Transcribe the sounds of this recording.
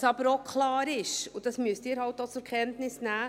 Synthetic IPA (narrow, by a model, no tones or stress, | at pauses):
sɑb̥əɾokʰlɑːɾɪʃʊd̥ɑsmyəstdɪːɾhɑltːot͡sʊɾkʰɛntnɪsnæː